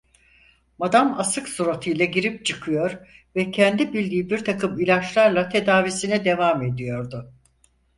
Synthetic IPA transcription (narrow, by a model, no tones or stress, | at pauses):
mad̪amasɯksuɾat̪ʰɯjlˠaɟiɾip̚t͡ʃʰɯkʰɯjo̞ɾvɛcʰɛnd̪ibilʲd̪iːbiɾt̪ʰakɯmilʲat͡ʃlˠaɾlˠat̪ʰe̞d̪aːvisinɛd̪e̞vame̞d̪ijo̞ɾd̪ʊ